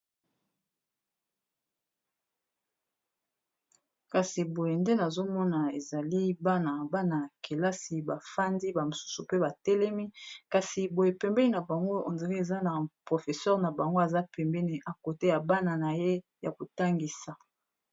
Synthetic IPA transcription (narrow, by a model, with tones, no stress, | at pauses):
ka˨si˨bo˨je˨nde˦na˨zo˦mɔ˦na˨e˨za˨li˦ba˦na˨ba˦na˨ke˨la˦si˨ba˨fa˦ndi˦ba˨mo˨su̥˦su˨pe˦ba˨tɛ˦lɛ˦mi˦ka˨si˨bo˨je˨pɛ˨mbɛ˦ni˨na˨ba˨ŋɡo˦o̰˨nze˨ʁi˦e˨za˦na˨pʁo˨fe˨sɛ˦ʁna˨ba˨ŋɡo˦e˨za˦pɛ˨mbɛ˦ni˨ʔa˨ko˨te˦ja˨ba˦na˨na˨je˦ | ja˨ko˨ta˦ŋɡi˨sa˨